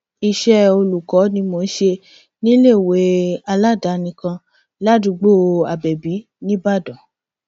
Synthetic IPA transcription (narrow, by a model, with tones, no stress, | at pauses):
i˧˨ʃɛ˦o˧lu˨kɔ˨˦nĩ˧mo˧n̩˦ʃe˧ | nĩ˦le˦˨we˨˦a˧la˦˨da˨˦nĩ˧kã˧ | la˦˨du˧ɡ͡bo˦˨a˨bɛ˨bi˨˦ | nĩ˦ba˦˨dɔ̃˨